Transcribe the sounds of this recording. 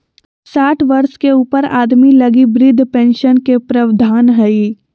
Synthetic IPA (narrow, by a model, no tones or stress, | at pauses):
saːʈʰʋɐɾskeuːpəɾaːd̪milɐɡibɾɪd̪ʱːpɛ̃ːnʃənkepɾɐʋd̪ʱaːnɦɛi